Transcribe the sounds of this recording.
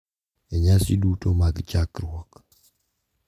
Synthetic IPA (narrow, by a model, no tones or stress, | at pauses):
ɛɲasidutomaɡt͡ʃakɾwɔk